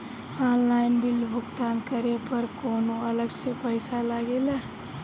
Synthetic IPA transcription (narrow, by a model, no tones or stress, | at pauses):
aːnlaːɪnbɪlbʱʊkt̪aːnkəɾepəɾkoːnoɐləɡsepəjsalaːɡelɛː